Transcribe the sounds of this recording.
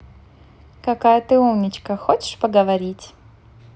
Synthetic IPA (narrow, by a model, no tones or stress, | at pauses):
kɐkajət̪ɨumnʲɪt͡ɕkəxot͡ɕɪ̥ʂpəɡəvɐɾʲitʲ